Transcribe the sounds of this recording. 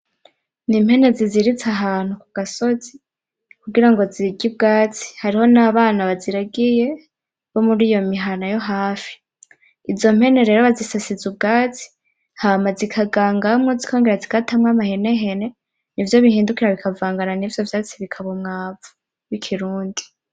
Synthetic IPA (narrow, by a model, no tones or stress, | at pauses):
nim̥he̞ne̞ziziɾit͡saɦaːn̥ukuɡ̥aso̞zi | kuɡiɾaŋɡo̞ziɡib̚ɡaːt͡si̥haɾiho̞naβaːnaβaziɾaɡije̞ | βo̞muɾiːjo̞miɦanajo̞ɦaːfi̥ː | zo̞m̥he̞ne̞ɾe̞ːɾoβazisasizubɡaːt͡si̥ | hamazikʰaɡaːŋɡamŋozikʰo̞ːŋɡeɾazikatʰamwamahe̞ne̞ɦe̞ne̞ | nivjo̞βihiːndukiɾaβikʰavaːŋɡananivjo̞vjaːt͡siβikʰaβumŋaːvu̥ | wikʰiɾuːndi